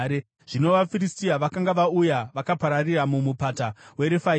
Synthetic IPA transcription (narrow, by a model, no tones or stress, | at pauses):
ɾe | ʐ̥ino̞ʋafiristiaʋakaŋɡaʋaujaʋakapaɾariramumupatawe̞ɾefa